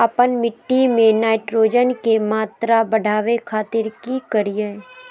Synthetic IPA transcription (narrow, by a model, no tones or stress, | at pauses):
əpənmɪʈːimẽnaːɪʈɾoːd͡ʒənkemaːt̪ɾabəɖʱaːʋekʰaːt̪ɪɾkikəɾijə